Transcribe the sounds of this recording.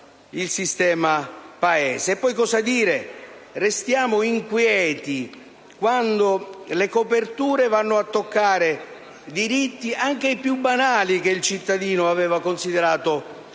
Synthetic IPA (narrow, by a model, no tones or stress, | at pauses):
ilsist̪ɛːmapaɛːseːpːɔjkɔsad̪iːɾerest̪jaːmʊiŋkwjɛːt̪i | kwand̪olekopert̪uːɾevanːʊat̪ːokːaːɾe | d̪iɾit̪ːiʔaŋk̟eipjubːanaːlikeilt͡ʃit̪ːad̪iːnʊavɛːvakonsid̪eɾaːt̪ʊ